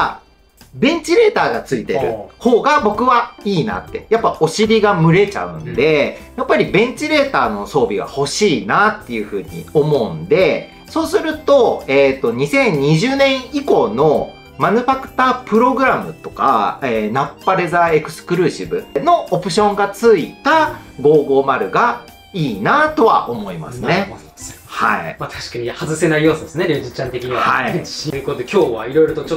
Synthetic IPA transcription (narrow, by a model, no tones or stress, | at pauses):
a | bẽ̞ɲ̟t͡ɕiɾe̞ːt̪aːɡat͡sɨit̪e̞̰ɾɯ̟̰ho̞ːɡabo̞kɯ̟βaiːna̰t̪ːe̞japːao̞ɕiɾʲiɡamɯ̟ɾe̞t͡ɕa̰ɯ̟̰̃nd̪e̞japːaɾʲibẽ̞ɲ̟t͡ɕiɾe̞ːt̪aːno̞so̞ːbʲiɡa̰ho̞ɕiːnat̪ːe̞jɯ̟ɸɯ̟ːɲ̟ḭo̞mo̞ɯ̟̃nd̪e̞ | so̞ːsɨɾɯ̟t̪o̞et̪ːo̞ɲ̟isẽ̞ɲ̟ːiʑɨːnẽ̞ɰ̃iko̞ːno̞ | manɯ̟ɸakɯ̟̥t̪aːpɯ̟ɾo̞ɡɯ̟ɾamɯ̟t̪o̞ka̰enapːaɾe̞zae̞kɯ̟̥sɨ̥kɯ̟ɾɯ̟ːɕibɯ̟̰no̞opɯ̟ɕõ̞ŋɡat͡sɨit̪a | ɡo̞ːɡo̞ːmaɾɯ̟ɡa | iːnat̪o̞βa̰ʔo̞mo̞ima̰sɨne̞ | haimat̪ʰḁɕi̥kaɲihazɨse̞naijoːsɨd̪esɨneɾʲoːʑit͡ɕãnt̪e̞kʲiɲ̟iβahaikot̪od̪ekʲo̞ːβaiɾo̞iɾo̞t̪ot͡ɕo